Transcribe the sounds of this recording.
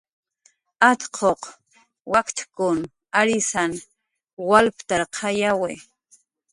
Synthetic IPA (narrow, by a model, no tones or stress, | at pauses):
at̪qʰoq | wakt̪kʊn | aɾɪsan | walpt̪aɾqʰɑjawe